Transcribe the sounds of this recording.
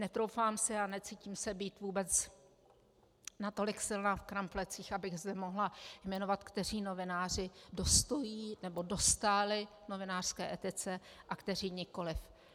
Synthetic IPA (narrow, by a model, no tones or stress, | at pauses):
nɛt̪ɾowfaːmsɪanɛt͡siciːmsɛbiːt̪vuːbɛt͡s | nat̪o̞lɪksɪlnaːfkɾamflɛt͡siːxabɪɣzdɛmo̞ɦlajmɛno̞vat̪kt̪ɛr̝iːno̞vɪnaːr̝ɪdo̞st̪ojiːnɛbo̞do̞st̪alɪ | no̞vɪnaːr̥skɛːʔɛt̪ɪt͡sɛʔakt̪ɛriːɲɪko̞lɪf